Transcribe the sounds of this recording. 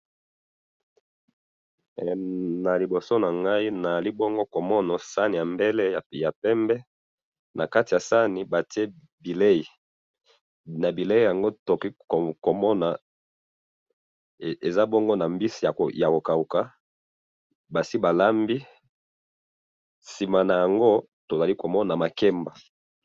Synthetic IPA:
na˨li˨bo˨so˦na˨ŋɡa˦i˦na˨a˨li˦bɔ˦ŋɡo˦ko˨mɔ˦na˨sa˦ni˨ja˨mbe˦le˦ja˨ja˨pɛ˦mbɛ˦ | na˨ka˦ti˨ja˨sa˦ni˨ba˨ti˦e˦ | bi˨le˦i˨ | na˨bi˨le˦i˦˨ja˨ŋɡo˦to˨ki˦kko˨mɔ˦na˨ | e˨za˦bɔ˦ŋɡo˦na˨mbi˦si˨a˨ja˨ko˨ka˨u˨ka˦ | ba˨si˦ba˨la˦mbi˦ | si˨ma˨na˨ja˨ŋɡo˦ | to˨za˨li˦ko˨mɔ˦na˨ma˨kɛ˦mba˨

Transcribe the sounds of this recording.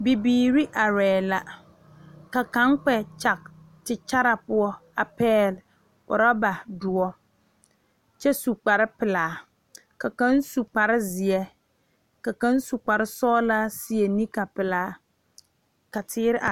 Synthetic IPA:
bi˨biː˨ɾi˦ʔa˨ɾɛː˨la˦ | ka˨ka˨˦ŋk͡pɛ˨t͡ʃa˨k̚ | t͡ʃɪ˨t͡ʃa˦ɾa˨pʊ˦ɔ˦a˨pɛː˦l | ʊ̰˨ɾa˦ba˨dʊ˨ɔ˦ | t͡ʃɛ˦su˨k͡pa˨ɾɪ˦pɪ˨laː˨˦ | ka˨ka˦n˦su˨k͡pa˨ɾɪ˦zɪ˨ɛ˦ | ka˨ka˦nsu˨k͡pa˨ɾɪ˦sɔː˦la˦si˨e˨ni˦ka˨pɪ˨laː˨˦ | ka˨tʰɪː˦ɾɪ˦ʔa˨

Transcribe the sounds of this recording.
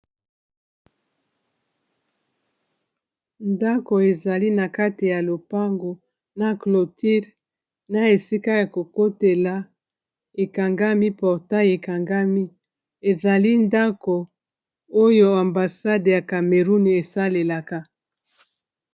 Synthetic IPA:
nda˦ko˨e˨za˨li˦na˨ka˦ti˨ja˨lo˨pa˦ŋɡo˨ | na˨klo˨ti˦ʁ | na˨e˨si˦ka˦ja˨ko˨ko˦te˨la˨ | e˨ka˨ŋɡa˦mi˦pɔ˨ʁta˦je˨ka˨ŋɡa˦mi˦ | e˨za˨li˦nda˦ko˨ | o˦jo˦a˨mba˨sa˦dja˨ka˨me˨ʁu˦n˨e˨sa˦le˨la˨ka˦

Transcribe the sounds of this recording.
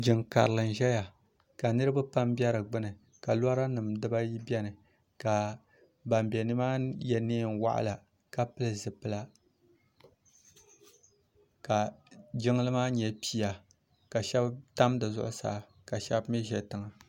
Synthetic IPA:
d͡ʒɪ˨ŋka̰˨ɾɨ˨lɨ˨n˨ʒɛ˦ja˨ | ka˨nɨ˦ɾɨ˦ba˦pa˦mbɛ˦ɾɨ˨ɡ͡bɨ˦nɨ˨ | ka˨la˦ɾa˦nɨ˨mdɨ˦ba˦ji˦bʲɛ˦nɨ˨ | ka˨ | ba˨mbɛ˨nɨ˦maː˦jɛ˨neː˦˨n˨wa̰˦ʔa̰˦˨la˨ | ka˦pɨ˦lɨ˨zɨ˨pɨ˨la˨ | ka˨d͡ʒɪ˦ŋ˦lɨ˦maː˦ɲɛ˨pi˦ja˨ | ka˨ʃɛ˦bta˦mdɨ˨zʊ̰˦ʔʊ˦sa̰ː˨˦˨ | ka˨ʃɛ˦bmi˦ʒɛ˨tɨ˨ŋa˨

